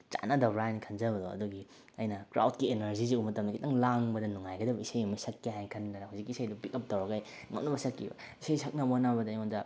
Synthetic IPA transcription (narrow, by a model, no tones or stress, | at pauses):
t͡ʃa̰nɐdɐwɾanikʰɐnzɐbɐdoɐ̰duɡi | ɐjnɐkɾa̰wt̚kienɐɾziziumɐtɐmdɐkʰitɐŋlaŋbɐdɐnuŋajɡɐdɐbɐisajimɐjsɐkːiɦajkʰɐnːɐɾɐhuwzik̬ːisajdupikɐp̚tɐwɾɐɡaj | ŋɐpnɐbɐsɐkːḭbɐ̰ | isajsʰɐk̚nɐbonɐbɐdɐːjmandɐ